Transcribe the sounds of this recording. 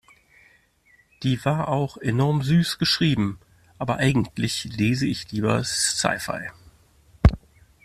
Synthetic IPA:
d̥iːvaːɐʔaʊxenɔɐmzyːsɡ̥əʃʁ̥iːbm̩ | ʔaːbɐʔaɪɡŋ̩tʰlɪçleːzəɪçliːbɐ̰ssa̰ɪfa̰ɪ

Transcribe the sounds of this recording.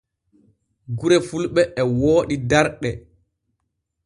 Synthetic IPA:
ɡuɾɛfulɓɛʔːwoːɗidaɾɗɛ

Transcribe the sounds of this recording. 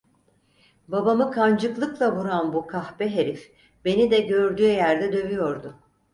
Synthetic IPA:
babamɯkʰand͡ʒɯklˠɯklˠavuɾanbukʰahbɛɦeɾif | be̞nid̪ɛɟøɾd̪yːjæɾd̪ɛd̪ø̞vyjo̞ɾd̪ʊ

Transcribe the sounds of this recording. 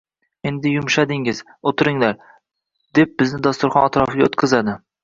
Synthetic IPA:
e̞nd̪ɪjʊmʃad̪ɪŋɪz | ot̪ʰɪɾɪŋlaɾ | d̪̥e̞p̚bɪznɪd̪ast̪ʊɾχɒnat̪ɾɒfɪɡʲaot̪kʲʰɪzad̪ɪ

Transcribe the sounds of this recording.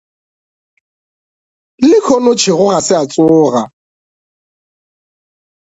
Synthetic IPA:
lɪkʰɔnʊt͡ʃʰɪɣʊɣasɪat͡sʼʊːɣa

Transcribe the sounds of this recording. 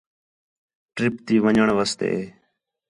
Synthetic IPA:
ʈɾɪpt̪iːʋəɲəɳʋəst̪ḛː

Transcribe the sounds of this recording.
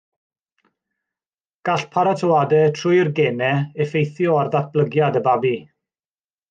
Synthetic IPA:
ɡ̥aɬpʰaɾatʰəwadɛtʰrʊɨrɡɛnɛɛfejθjɔarðat̚b̥ləɡjadəbabi

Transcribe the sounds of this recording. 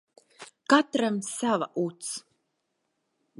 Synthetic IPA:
kat̪ɾamsava̰ʔut̪s

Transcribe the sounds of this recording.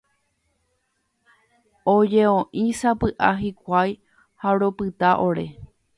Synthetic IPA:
od͡ʒe̞õʔĩsapɨʔaɦikʷaj | haɾopɨt̪aʔoɾe̞̰

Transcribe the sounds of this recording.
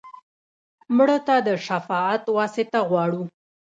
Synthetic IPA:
mɽət̪ad̪əʃafɑat̪wɑsɪt̪aɣwɑɽu

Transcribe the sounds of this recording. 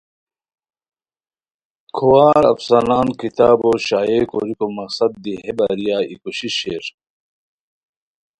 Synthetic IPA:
kʰuwaːɾɐ̰fsɐnaːnkit̪aːboːɕaːeːko̰ɾikomɐksɐd̪̚ːiɦebaɾijaːḭkuɕiɕeːɾ

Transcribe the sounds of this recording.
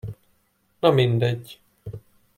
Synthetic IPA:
nɒmind̪ɛɟː

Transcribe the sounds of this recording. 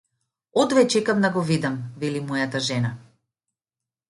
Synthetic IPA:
ɔd̪vɛt͡ʃɛkamd̪aɡɔvid̪amvɛlimɔjat̪aʒɛna

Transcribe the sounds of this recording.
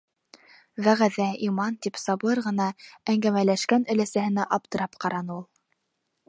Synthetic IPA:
ðæʁæðæimɑnt̪ipsɑβˠɤɾʁɤ̆nɑæŋɡæmælæʃkænɵ̆læsæhɘ̆næʔɑp̚t̪ɤ̆ɾɑpqɑɾɑnɤulˠ

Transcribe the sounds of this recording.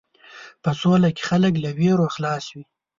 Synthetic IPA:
pəsolake̥xalək̬laweɾoxlɑswi

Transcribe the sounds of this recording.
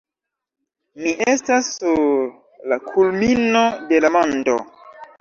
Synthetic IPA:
miʔestasːuɾ | lakʰulmino̞de̞lamondo̞̰

